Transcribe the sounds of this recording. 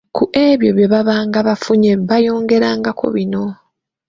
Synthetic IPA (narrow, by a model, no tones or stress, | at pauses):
kuʔeβjo̞βje̞βaβaːŋɡaβafuɲeβajo̞ːŋɡe̞ɾaːŋɡako̞̰βino̞